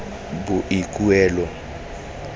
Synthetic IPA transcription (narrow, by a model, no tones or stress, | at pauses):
buʔikʼuɛːlɔ